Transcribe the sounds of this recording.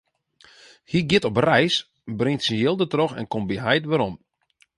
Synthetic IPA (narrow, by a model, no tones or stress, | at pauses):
hiɡɪtɔprɛjs | brɪŋtsənjɪlˠdətrɔxɛ̰nkombiɦɛjtʋəɾɔm